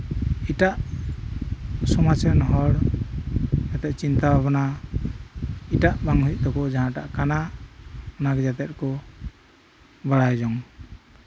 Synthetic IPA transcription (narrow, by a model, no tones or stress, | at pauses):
iʈaʔ | sɔmat͡ʃanɔɦɔɽ | d͡ʒat̪ɛt̪̚t͡ʃint̪abʱabɔna | iʈaʔbaŋɦuic̚ˀt̪ɔkɔd͡ʒaɦãʈaʔkana | ɔnaɡɛd͡ʒat̪ɛt̪̚kɔ | baɽajd͡ʒɔŋ